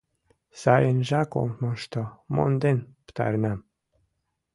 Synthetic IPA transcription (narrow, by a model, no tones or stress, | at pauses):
sajenʒako̰mmonʃt̪omo̰nd̪enpt̪a̰ɾnam